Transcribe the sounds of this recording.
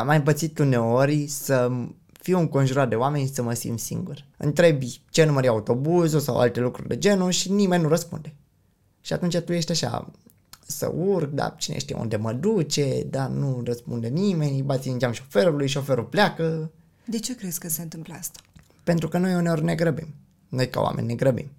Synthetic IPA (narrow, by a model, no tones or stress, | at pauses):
majɨmpət̪sit̪une̞o̞ɾʲsə | fiuŋko̞nʒuɾat̪̚d̪e̞oame̞nʲsəməsḭmt̪sḭŋɡurɨ̰nt̪ɾebit͡ʃenuməɾiaut̪o̞buzusa̰wʔa̰lt̪e̞lukɾṵrʲd̪e̞̰d͡ʒe̞nuʃinime̞nʲnuɾəspṵnd̪e̞ | ʃiat̪unt͡ʃat̪uje̞ʃt̪ʲaʃa̰ | sə̰urɡ̚d̪a̰t͡ʃinḛʃt̪ija̰ṵnd̪e̞məd̪ut͡ʃe̞d̪anurəspṵnd̪enime̞nʲbat̪sʲinind͡ʒamʃo̞fe̞ɾulujʃo̞fe̞ɾulpleakə | d̪e̞t͡ʃe̞kɾeskəseɨnt̪ɨmpləast̪ḁ | pe̞nt̪ɾukənojuneorʲneɡɾəbḭm | no̞jka̰wa̰mʔḛnʲiːe̞ɡɾəbḭm